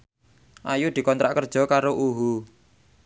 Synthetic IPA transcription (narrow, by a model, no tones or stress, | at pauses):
ʔajud̪̥i̤kɔnt̪ɾaʔkərd̥ʒ̥ɔ̤kaɾoʔuɦu